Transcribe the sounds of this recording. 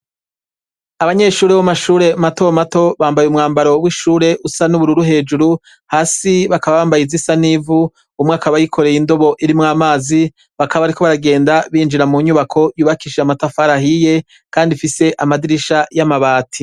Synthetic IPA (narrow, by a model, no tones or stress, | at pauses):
aβaɲe̞ʃuːɾewamaʃuːɾe̞matomato̞βaːmbajumŋaːmbaɾo̞wiʃuːɾe̞ʔusanuβuɾuɾuɦe̞ːd͡ʒuɾu | haːsiβakaβaβaːmbajizisanivu | umwakaβajikʰo̞ɾe̞jindo̞βo̞ʔiɾimŋaːmaːzi | βakʰaβaβaɾikʰo̞βaɾaɡe̞ːndaβiːnd͡ʒiɾamuɲuβakʰo̞juːβakiʃeamatafaɾahije̞ | kaːndifise̞ʔamadiɾiʃajamaβaːtʰi